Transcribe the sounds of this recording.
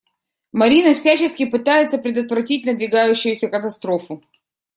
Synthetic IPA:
mɐɾʲinəfsʲæt͡ɕɪskʲɪpɨt̪ajɪt̪səpɾʲɪd̪ət̪vɾɐtʲitʲnəd̪vʲɪɡajʉɕːʊjʉsʲəkət̪ɐst̪ɾo̞fʊ

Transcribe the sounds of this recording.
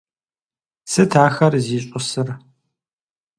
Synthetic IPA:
sɨtʰaːxɐrziːɕʼʊsɨr

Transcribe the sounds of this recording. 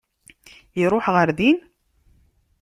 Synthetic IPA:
iɾˤʊħʁəɾðin

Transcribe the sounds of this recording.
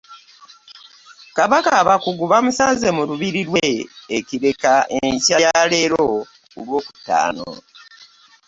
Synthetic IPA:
kaβakaːβakuɡuβamusaze̞muluβiɾiɾweeciɾe̞kaʔeɲcajale̞ɾo̞ | ulwo̞ːku̥tːa̰ːno̰

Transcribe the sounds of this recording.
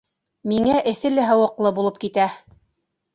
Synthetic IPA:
miŋæʔɘ̆θɘ̆lɘɦɤ̆wɤ̆qlˠɤbulˠɤp̚kit̪æ

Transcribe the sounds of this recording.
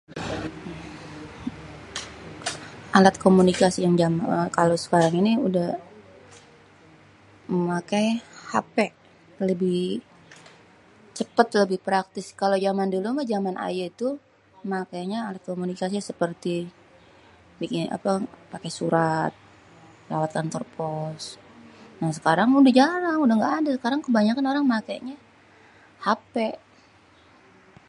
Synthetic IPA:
ʔalat̪̚komunikasijaŋd͡ʒamaəkalosə̥kaɾaŋiniudah | məmakajhapɛʔ | ləbɪh | t͡ʃəpət̪ləbɪhpɾak̚t̪ɪskalod͡ʒamandulumad͡ʒamanʔa̰jait̪u | makajɲaalat̪̚komunikasiasəpərt̪i | bikɪa̰papakɛsuɾat̪̚ | la̰wat̪ant̪ɔrpʰɔs | nahsəkaɾaŋudad͡ʒaɾaŋudaŋɡaːdasəkaɾaŋkəbaɲakanoɾaŋmakajɲa | hapɛʔ

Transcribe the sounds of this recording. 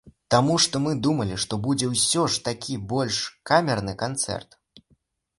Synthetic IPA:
t̪amuʂt̪ɔmɨd̪umɐlʲiʂt̪ɔbud͡zʲɛwsʲɔʂt̪akʲʰibɔlʲʂkamʲɛrnɨkant̪sɛ̰rt̪

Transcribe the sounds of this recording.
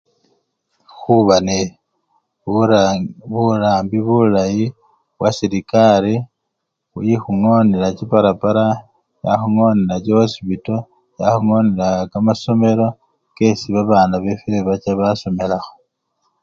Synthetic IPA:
xuβane | βulaːmbiβulaji | wasiɾikaɾi | ṵjixuŋo̞nelacipaɾapaɾa | jaxuŋo̞nelat͡ʃoosipito̞ | jaxuŋo̞nelakamaso̞me̞ɾo̞ | ke̞siβaβaːnaβe̞feeβat͡ʃaβaso̞me̞laxo̥

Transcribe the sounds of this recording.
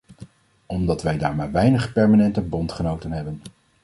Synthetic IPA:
ɔmdɑtʋɛjdaːɹmaːɹʋɛjnəχpɛɹmanɛntəbɔntχənowtənɦɛbən

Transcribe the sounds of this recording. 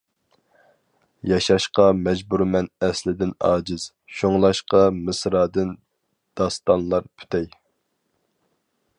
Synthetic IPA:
jɑʃɑʃqɑmɛd͡ʒbuɾmɛnɛslɪd̪ɪnɑ̰ːd͡ʒɪz̥ | ʃoŋlˠɑʃqɑmɨsɾɑːd̪ɨn | d̪̥ɑst̪ɑnlˠɑɾpʰy̥t̪ʰɛj

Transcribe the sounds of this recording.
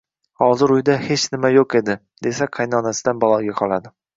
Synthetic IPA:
hɒzɪɾʊjd̪ahe̞t͡ʃnɪmajoqe̞d̪ɪ | d̪e̞saqʰɑjnɒnasɪd̪anbɒlˠɒɡʲaqʰɒlˠad̪ɪ

